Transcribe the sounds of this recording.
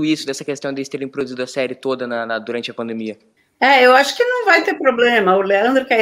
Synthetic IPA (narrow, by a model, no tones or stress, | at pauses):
ʊisʊd̪ɛsɐkest̪ɐ̃w̃d̪elɪst̪eɾẽj̃pɾod̪uzid̪ʊɐsɛɾɪt̪od̪ɐnɐnɐd̪uɾɐ̃nt͡ʃɪɐpɐ̃nd̪emiɐ | ɛewaʃʊ̥kɪnɐ̃w̃vajt̪epɾoblẽmɐʊleɐ̃nd̪ɾʊkɛ